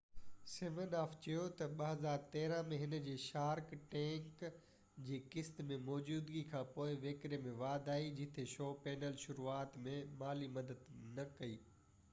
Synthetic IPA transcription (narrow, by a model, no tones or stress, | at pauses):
seʋənaːft͡ɕɐjot̪ɐɓɐɦɐzaːɾt̪ɛːɾə̃mẽɦɪnə̆d͡ʑeːʃaːɾkʈɛ̃ːk | d͡ʑiːkɪst̪mẽmɔːd͡ʑuːd̪ɡikʰãːpoːɪʋeːkɾemẽʋaːd̪ʱaːid͡ʑɪt̪ʰeʃɔːpɛːnəlʃʊɾuaːt̪mẽmaːlimɐd̪əd̪nɐkɐiː